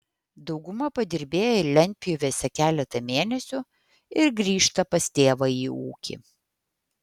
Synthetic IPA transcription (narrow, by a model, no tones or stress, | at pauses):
d̪ɒʊɡʊmɐpɐd̪ʲɪɾʲbʲeːjɛɪlʲɛnʲˑpʲɪjoːʋʲeːsʲɛkʲæːlʲɛt̪ɐmʲeːnʲɛsʲʊ | ɪɾɡɾʲiːʃt̪ɐpɐst̪ʲeːʋɐiːṵːkʲḭ